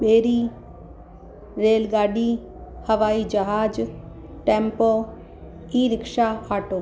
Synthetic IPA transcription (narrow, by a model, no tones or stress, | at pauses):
ɓeːɾiː | ɾeːlɡaːɖiː | hɐʋaːid͡ʒɐɦaːd͡ʒ | ʈẽːmpoː | iːɾɪkʃaaːʈoː